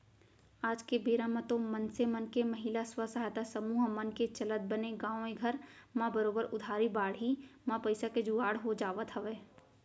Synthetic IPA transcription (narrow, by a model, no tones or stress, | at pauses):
aːd͡ʒkebiːɾaːmət̪õmɐnsemɐnkemɐɦɪlaswəsaːɦt̪asɐmuːɦmɐnket͡ʃɐlət̪̚bɐneɡãːõẽɡʱɐɾmãbəɾoːbəɾʊd̪ʱaːɾibaːɽ̤ɦimãpəɪsaked͡ʒuaːɽɦod͡ʒaːʋət̪ɦɐʋeː